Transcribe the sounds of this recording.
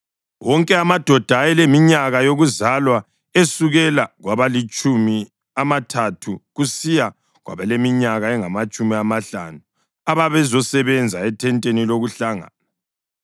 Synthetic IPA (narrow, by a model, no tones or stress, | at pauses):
wɔŋkʼɛamad̥ʱɔd̥ʱajɛlemiɲaɣajoɣuzalwa | esuɣɛlaɣwaβalit͡ʃʼumi | amatʰatʰuɣusija | ɣwa̰βɛlemiɲaɣaɛŋamat͡ʃʼumiamaɬa̰nu | aβaβɛzɔsɛβɛnd͡zʱaɛtʰɛntʼeniloɣuɬaŋa̰ːna